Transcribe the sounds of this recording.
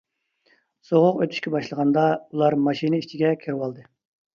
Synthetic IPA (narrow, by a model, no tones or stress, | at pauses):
soʁʊqøt̪ʰyʃkʲɛbɑʃlˠəʁɑnd̪ɑulˠɑɾmɑʃinɨit͡ʃʰiɡʲɛkʲʰiɾwɑlˠd̪ɨ